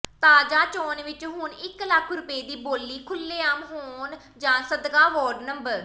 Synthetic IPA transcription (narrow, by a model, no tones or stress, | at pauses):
t̪aːd͡ʒaːt͡ʃɔːnʋɪt͡ʃɦʊnɪkləkʰɾʊpeːd̪iːboːlːiːkʰʊlːeːaːmɦoːn | d͡ʒãːsəd̪kaːʋɔːɾɖnəmbəɾ